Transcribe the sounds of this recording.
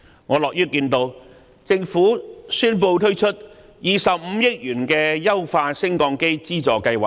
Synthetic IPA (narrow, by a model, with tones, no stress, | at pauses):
ŋɔː˨˧lɔː˨k̚jyː˥kiː˧nt̪o˧w | t͡sɪ˧ŋfuː˨˥syː˥npo˧wt̪ʰɵ˥ɥt͡ʃʰɵ˥t̚ | jiː˨˩sɐ˨p̚m̩˨˧jɪ˥k̚jyː˨˩nkɛː˧jɐ˥wfaː˧sɪ˥ŋkɔː˧ŋke˥jt͡siː˥t͡sɔː˨kɐ˧jwaː˨˩